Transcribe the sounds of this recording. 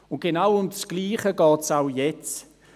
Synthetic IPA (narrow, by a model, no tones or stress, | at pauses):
ʊnt̚ɡ̥enawʊmdsɡ̥liːχəɡɔːtsaʊjɛt͡s